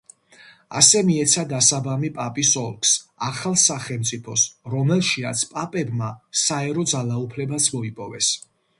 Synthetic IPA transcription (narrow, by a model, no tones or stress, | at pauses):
a̰sɛmiɛt̪sʰad̪asabamipʼapʼisɔlˠkʰsaχalˠsaχɛlˠmt̪sʼipʰɔsɾɔmɛlˠʃia̰t̪sʰpʼapʼɛbmasaɛɾɔd̪zalˠaupʰlɛbasʰmɔipʼɔvɛ̰s